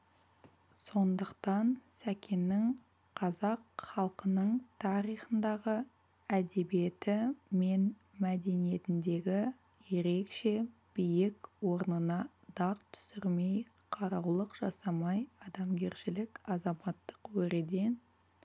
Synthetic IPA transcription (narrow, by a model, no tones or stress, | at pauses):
so̞nd̪əqt̪ɑnsækʲʰenːɪŋ | qʰɑzɑqχɑlˠqənəɴt̪ʰɑɾijχənd̪ɑʁə | æd̪e̞bije̞t̪ɪme̞n | mæd̪e̞nije̞t̪ɪnd̪e̞ɡʲɪ | je̞ɾe̞kʃe̞ | b̥ijɪkwo̞ɾnənɑ | d̪̥ɑq̚t̪ʰʏ̥sɪɾme̞j | qʰɑɾɑwlˠəqʒ̥ɑsɑmɑjɑd̪ɑmɡʲe̞ɾʃɪlɪkɑzɑmɑt̪ːə̥qwɵɾed̪e̞n